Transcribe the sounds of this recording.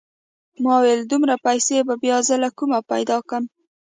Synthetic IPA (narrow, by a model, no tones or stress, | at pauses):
mɑweld̪umɾapajsebabjɑzəlakumapajd̪ɑkəm